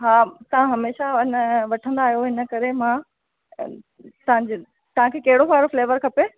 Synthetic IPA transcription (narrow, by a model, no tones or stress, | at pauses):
ɦaːt̪ɐʋãɦɐmeːʃaɪnəʋɐʈʰə̃nd̪aːɦijoɦɪnə̆kɐɾemã | t̪ɐʋãɲd͡ʑ | t̪ɐʋ̤ãkʰeːkɐɦɪɽofaːɪɾofleːʋəɾkʰɐpeː